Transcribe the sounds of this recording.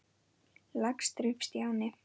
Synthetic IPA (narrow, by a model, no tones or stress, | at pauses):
lakst̪ɾʏpst̪jaːwnɪ